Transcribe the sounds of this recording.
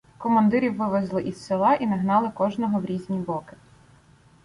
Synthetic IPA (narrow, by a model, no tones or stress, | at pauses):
kɔmɐnd̪ɪɾʲiwːɪʋezlˠɪʔisselˠɑʔinɐɦnɑlˠɪkɔʒnɔɦɔwɾʲizʲnʲibɔkɪ̥